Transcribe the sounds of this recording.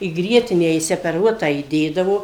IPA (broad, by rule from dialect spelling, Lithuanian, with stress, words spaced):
iː ˈɡrʲiɛtʲɪnʲæː ɪʃʲsʲɛpʲɛˈruɔtɑː iːˈdʲeːdɐʋoː